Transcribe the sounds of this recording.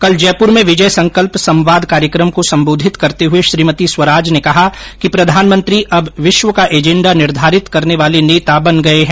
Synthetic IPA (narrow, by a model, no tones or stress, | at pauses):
kɐld͡ʒɛːpʊɾmẽʋɪd͡ʒəjsɐ̃ŋkəlpsɐ̃mʋaːd̪ʱkaːɾjəkɾəmkosɐ̃mboːd̪ʱɪt̪kɐɾt̪eɦʊeʃɾiːmət̪iswɐɾaːd͡ʒnekɐɦakipɾɐd̪ʱaːnmə̃nt̪ɾiʔɐbʋɪʃʋəkaʔeːd͡ʒɛ̃ɳɖanɪɾd̪ʱaːɾɪt̪kɐɾneʋaːleneːt̪abɐnɡɐeɦɛ̃ː